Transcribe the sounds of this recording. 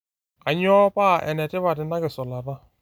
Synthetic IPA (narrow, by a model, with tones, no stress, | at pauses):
a˨ɲ˦ɔ˦pa˦˨ʔɛ̰˨nɛ˨tɪ˦βa˨dɪ˨na˦ɡɪ˨sɔ˨la˨ɾa˦